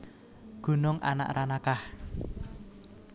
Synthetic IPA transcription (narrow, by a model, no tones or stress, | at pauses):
ɡ̥ṳnʊŋʔa̰na̰ʔranakah